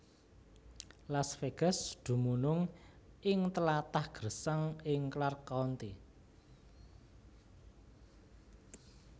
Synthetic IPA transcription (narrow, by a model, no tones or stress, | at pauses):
lasfeɡ̥a̤sd̪̥ṳmunʊŋʔɪŋt̪əlat̪ahɡ̥rəsəŋɪŋklarkɔnt̪i